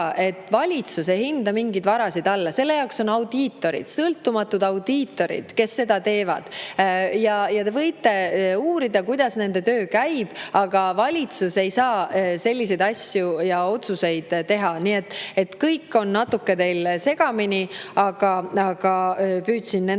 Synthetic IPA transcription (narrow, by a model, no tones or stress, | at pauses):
ʔe̞t̪ːˑvɑlʲit̪sus̬e̞jhind̪ɑmiŋɡid̪vɑɾɑsid̪ɑlːɑse̞lːe̞jɑokso̞nɑwd̪iːt̪ːˑo̞ɾḭd̪̥sɤlt̪ːˑumɑt̪ːˑud̪̥ɑwd̪̥iːt̪ːˑo̞ɾḭd̪̥ke̞sːe̞d̪̥ɑt̪e̞ːvɑ̰d̪̥jɑjɑt̪e̞vɤjt̪ˑːe̞uːɾid̪̥ɑkujd̪̥ɑsne̞nd̪e̞t̪ø̞ːkæjb̥ɑɡ̥ɑvɑlʲit̪suse̞jsɑːse̞lʲːis̬e̞jd̪ɑsʲjujɑo̞t̪suse̞jd̪̥t̪ːe̞ɦɑnie̞t̪ːe̞t̪kɤjkːo̞nːɑt̪ːukːe̞t̪e̞jlse̞ɡ̥ɑminiɑɡ̥ɑɑɡ̥ɑpyːt̪sinːe